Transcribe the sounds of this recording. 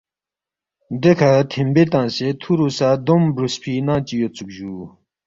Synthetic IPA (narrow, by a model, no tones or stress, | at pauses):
nd̪əkʰat̪ʰembet̪ɑŋset̪ʰuɾusad̪ombɾuspʰinaŋt͡ɕijot͡suk̚ʑuː